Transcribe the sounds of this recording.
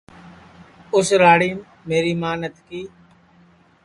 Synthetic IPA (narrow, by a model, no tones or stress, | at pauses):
ʊsɾaːɽiːm | meːɾiːmaːnət̪kiː